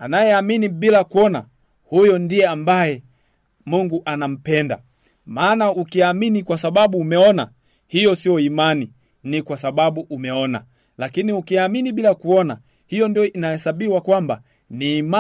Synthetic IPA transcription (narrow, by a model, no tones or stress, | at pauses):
anajɛaminiɓilakuɔna̰ | hujɔndiɛambajɛ | muŋɡuʔanam̩pɛnda̰ | maːnaukiaminikwasaɓaɓuːmɛɔna̰ | hijɔsiɔimani | nikwasaɓaɓuʔumɛɔna̰ | lakiniukiaminiɓilakuɔna | hijɔndiɔinahɛsaɓiwakwamba̰ | niːma